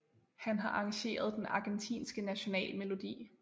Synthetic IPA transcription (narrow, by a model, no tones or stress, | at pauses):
hænɦɑ̈ʔɑ̈ŋɕe̝̰ːɐð̞ˠd̥enɑ̈ɡ̥ent͡sʰḭːnsɡ̥ənæɕo̝nɛ̰ːlme̝lo̝d̥ḭː